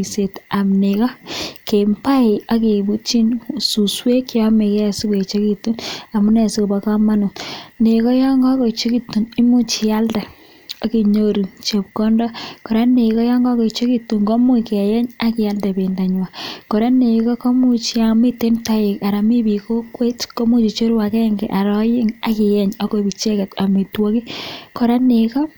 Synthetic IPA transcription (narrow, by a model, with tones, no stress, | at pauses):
i˨se˨ta˨mne˨kɔ˦ke˨mpa˦ɪ˨a˦ki˨bu˦t͡ʃi˦nsu˨swe˦kjɔ˦me˨kɛ˦˨si˦ke˨t͡ʃe˦ki˦tːu˦na˨mu˦nɛ˨si˦˨ba˨ka˦ma˦nu˨ne˨kɔ˦jɔ˦ŋɡɔ˦kɔ˨i˨t͡ʃo˦ki˦tːu˨ni˦mu˦t͡ʃi˨ja˦ldɛ˨ | a˦ki˨ɲo˦ɾi˨t͡ʃe˨p̚kɔ˦ndɔ˦kɔ˨ɾa˦ne˨kɔ˦jɔ˦ŋɡɔ˦kɔ˨t͡ʃi˦ki˦tːu˨ŋɡɔ˦mu˦kɛ˨jɛ˦ɲa˦kɪ˨ja˦ldɛ˨be˨nda˨ɲwa˨ko˨ɾa˦ne˨kɔ˦ko˦mu˦t͡ʃi˦a˨mi˦te˦nta˦jɪ˨ka˨ɾa˨mi˦bi˨ko˦kwe˦tko˦mu˦t͡ʃi˨t͡ʃo˦ɾwa˨kɛ˦ŋɡḛ˨ʔa˨ɾɔ˦jɪ˦ŋa˦kɪ˨jɛ˦ɲɔ˦ko˨bi˨t͡ʃɛ˦kɛ˨ta˨mi˨twɔ˦ki˦kɔ˨ɾa˦ne˨kɔ˦